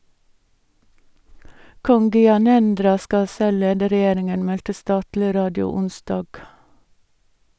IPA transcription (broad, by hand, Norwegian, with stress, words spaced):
ˈkɔŋ ɡʏɑˈnɛndɾɑ ˈskɑ ˈsɛl ˈleːdə ɾɛˈjeːɾɪŋən ˈmɛltə ˈstɑːtlɪ ˈɾɑːdɪʊ ˈʊnˌsdɑːɡ